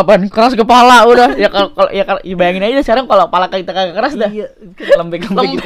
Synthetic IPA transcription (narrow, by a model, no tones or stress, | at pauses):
apankəɾaskəpalaudahjakalkal̰jakabajaŋɪnad͡ʒasəkaɾaŋkalokəpalakakit̪akaɡakəɾasda | ləmbɪkləmlɪk̪